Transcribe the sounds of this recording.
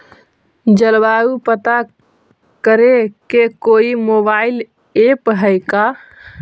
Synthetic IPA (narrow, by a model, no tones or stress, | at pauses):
d͡ʒəlbaupət̪a | kəɾekekoimobail | epɦəjka